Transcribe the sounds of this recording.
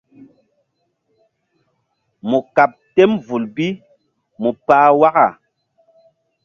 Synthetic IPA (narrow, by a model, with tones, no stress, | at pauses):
mu˨ka˨p̚te˦mvu˨lbi˦ | mu˨paː˦wa˦ka˨